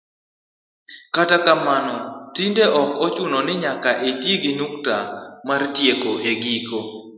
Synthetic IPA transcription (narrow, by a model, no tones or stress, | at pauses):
katakamanɔtindeʔɔkɔt͡ʃʊnɔnɪɲakaʔetjeɡɪnuktamartjekoʔeɡiko